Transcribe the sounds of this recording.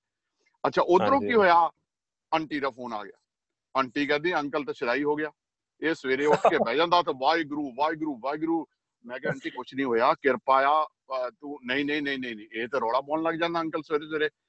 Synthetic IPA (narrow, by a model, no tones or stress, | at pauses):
ətːʃʰa̰ːʔʊt̪ːəɾõːkiːɦoːjaː | əɳʈiːɾaːpʰoːna̰ːɡɪja̰ː | əɳʈiːkɛ̃ːd̪ĩːə̃ŋkəlt̪ãːt͡ʃəlaːiːɦoːɡɪjaː | eːsəʋeːɾeːʊsʰkeːpɛːd͡ʒãːnd̪aːt̪ãːʋaːiɡɾuːʋaːiːɡɾuːʋaːiɡɾuː | mɛ̃ːkɛːəɳʈiːkʊt͡ʃʰnĩːɦoːjaːkɪɾpaːjaː | t̪ũːnəĩːnəĩːnəĩːnəĩːnə̃ːeːt̪eːɾɔːɽaːbɔːnləɡd͡ʒãːnd̪aːəŋkəlsʋeːɾeːsʋeːɾeː